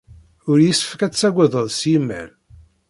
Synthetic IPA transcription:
ʊɾjisə̥fəkæt͡sːæɡʷəðˤəðˤsjəmːæ̰l

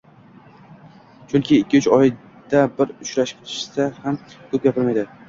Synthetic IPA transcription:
t͡ʃʰʊŋkʲɪːkʲːɪʊt͡ʃɒj | d̪̥abɪɾʊt͡ʃɾaʃɪ̥k̚ʰʲt̪ʰɪ̥ʃɪ̥sahamkʰɵp̚ɡʲapʰɪlmajd̪ɪ

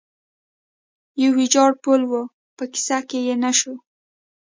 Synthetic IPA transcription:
jəwid͡ʒɑɽpolwə | pəki̥sakejenaʃo

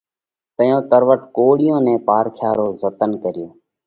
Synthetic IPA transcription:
t̪əjõːt̪əɾʋəʈkoːɽɪjõːnẽːpaːɾkʰjaːɾoːzət̪ənkəɾɪjoː

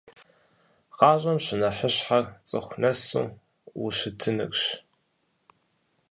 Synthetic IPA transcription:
qɑːʑʼɐmɕɪnɐħəɕħart͡sʼɨxʷnɐsṵː | wuɕɪtʰɨnɨ̰kʷʼɕ

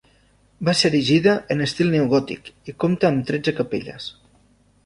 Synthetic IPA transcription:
baseɾiʒiðəʔənəst̪ilˠneuɣɔt̪ḭkikomt̪aːmt̪ɾɛd͡zəkəpḛʎə̰s

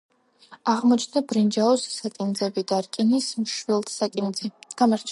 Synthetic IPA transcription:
aʁmɔt͡ʃʰnabɾind͡ʒaɔssakʼind̪zɛbid̪aɾkʼinismʃwilˠt̪ʰsakʼind̪zɛɡ̥amaɾt͡ʃʰ

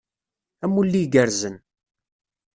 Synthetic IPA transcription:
æmːulːiɡəɾzən

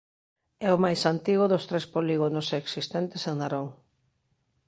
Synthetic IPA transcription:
ɛʊmajsant̪iɣʊðʊst̪ɾespoliɣonʊseksist̪ɛnt̪eseŋnaɾoŋ

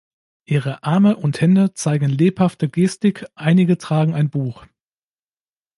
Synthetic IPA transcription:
ʔiːʁ̞əʔaɐməʔʊnthɛndət͡saɪɡŋ̩leːphaftəɡeːstɪkʔaɪnɪɡətʁ̥aːɡŋ̩aɪnbuːx

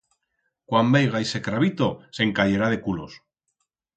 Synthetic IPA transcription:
kwambejɣaise̞kɾaβit̪o̞se̞ŋkaʎe̞ɾað̞e̞kulo̞s

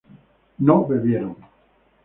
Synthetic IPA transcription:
nobeβjeɾoŋ

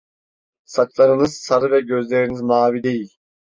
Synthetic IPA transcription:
saklˠaɾɯnɯz̥saɾɯvɛɟø̞zlʲeɾinizmaːvid̪e̞jilʲ

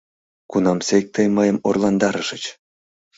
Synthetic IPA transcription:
kunɑmsek̚ʲt̪ejmɤjə̆morlˠɑnd̪ɑɾəʒə̆t͡ɕ

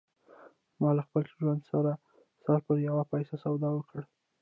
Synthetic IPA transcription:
mɑlaxpəlʒwand̪saɾa | sɑɾpəɾjawapajsasawd̪ɑwəkəɽ

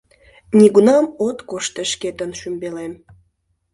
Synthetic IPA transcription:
nʲiɣunɑmot̪koʃt̪əʃket̪ənʃymbelem

